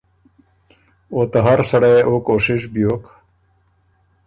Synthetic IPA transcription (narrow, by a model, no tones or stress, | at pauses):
ot̪ɐɦɐɾsɐɽeʔokoːɕiʂbijok